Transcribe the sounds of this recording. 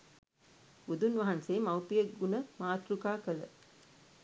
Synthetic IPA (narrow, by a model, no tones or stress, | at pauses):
ud̪unʋɐɦanseːmawpijəɡunəmaːt̪ɾukaːkələ̰